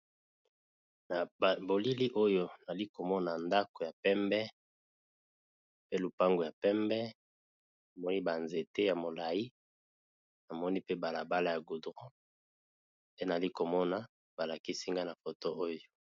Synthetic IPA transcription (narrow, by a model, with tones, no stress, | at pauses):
na˨bo˨li˦li˦ʔo˦jo˦na˨li˦ko˨mɔ˦na˨nda˦ko˨ja˨pɛ˦mbɛ˦ | pe˦lu˨pa˦ŋɡo˨ja˨pɛ˦mbɛ˦ | na˨mɔ˦ni˦ba˨nze˨te˦ja˨mo˨la˨ji˦ | na˨mɔ˦ni˦pe˦ba˨la˨ba˦la˦˨ja˨ɡu˨dʁo˦ | pe˦na˨li˦ko˨mɔ˦na˨ | ba˨la˨ki˦si˦ŋɡa˦na˨fo˨to˦ʔo˦jo˦